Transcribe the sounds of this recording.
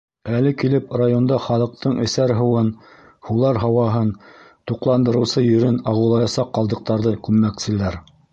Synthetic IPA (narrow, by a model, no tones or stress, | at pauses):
ælɘkilɘprajond̪ɑχɑlˠɤ̆q̚t̪ɤɴɘ̆sæɾɦɤ̆wɤn | hulˠɑɾɦɑwɑɦɤn | t̪uqlˠɑnd̪ɤ̆ɾɤ̆wsɤjɵ̆ɾɘnɑʁɤ̆wlˠɑjɑsɑqːɑlˠd̪ɤ̆q̚t̪ɑɾðɤkʉmːæksɘ̆læɾ